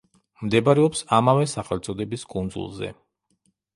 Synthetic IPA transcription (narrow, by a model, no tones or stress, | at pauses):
md̪ɛbaɾɛɔpsamavɛsaχɛlt̪sʼɔd̪ɛbiskʼund̪zṵlˠzɛ̰